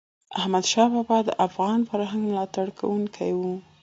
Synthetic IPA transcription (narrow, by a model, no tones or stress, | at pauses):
ahmad̪ʃɑbɑbɑd̪əʔafɣɑnfaɾɦaŋɡmlɑt̪aɽkʰa̰wuŋkʰajwu